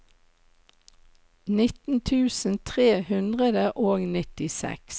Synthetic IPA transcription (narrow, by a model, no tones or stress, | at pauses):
nɪt̪n̩t̪ʰʉːsn̩t̪ʰʁeːhʉnd̪ʁəd̪əʔoːɡnɪt̪ɪsɛ̰ks